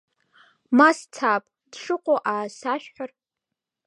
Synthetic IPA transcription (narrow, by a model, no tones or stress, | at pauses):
mast͡sʰapʼ | d̥ʂɨqʷʼoʔaːsaʃᶣħʷar